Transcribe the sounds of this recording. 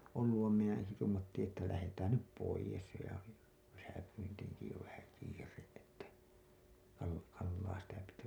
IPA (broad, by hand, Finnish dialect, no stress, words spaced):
olːuʋ ʋɑim minæ en se tuːmɑtːiːĩ etːæ læhetæːn nyp poijes jo jɑ ki kesæpyntiːŋki jo ʋæhæ kiːreʔ ʔetːæ kɑl kɑlːɑː sitæ piti